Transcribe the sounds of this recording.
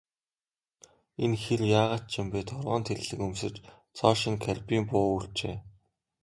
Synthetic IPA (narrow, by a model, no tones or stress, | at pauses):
enxerjaːʁaːt̪̚t͡ɕʰɪ̆mpeːt̪ʰɔɾʁɔːnt̪ʰeɮɮɘ̆kɵmsɘ̆t͡ɕ | t͡sʰɔːʃĭŋkʰæɮʲpiːmpʊːuɬt͡ɕeː